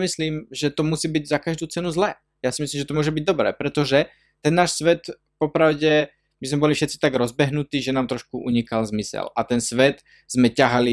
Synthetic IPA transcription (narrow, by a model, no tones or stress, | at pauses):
misliːmʒɛt̪ɔmusiːbiɟzakaʒd̪uːt͡sɛnuzlɛ | jaːsimislimʒɛt̪ɔmʊɔʒɛbiɟ̚d̪ɔbɾɛ̰ːpɾɛt̪ɔʒɛ | t̪ɛnːaːʃsʋɛt̪ | pɔpɾaʊɟɛ | mizmɛbɔlifʃɛt̪t͡si̥t̪aɡɾɔzbɛɦnut̪iːʒɛnaːmt̪ɾɔʃkuʔuɲikalzmisɛ̰lat̪ɛnsʋɛt̪ | z̥mɛcaɦali